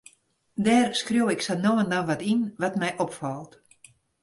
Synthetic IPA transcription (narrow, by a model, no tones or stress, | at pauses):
dɛːrskrjowɪksanoːəndaʋatinʋatmɛjʔɔpfɔlˠt